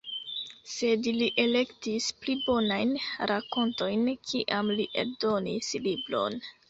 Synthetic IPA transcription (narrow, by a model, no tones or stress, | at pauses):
se̞dliʔe̞le̞ktisplibo̞najnɾako̞nto̞jnkʰiʔamliʔḛldo̞nislibɾo̞̰n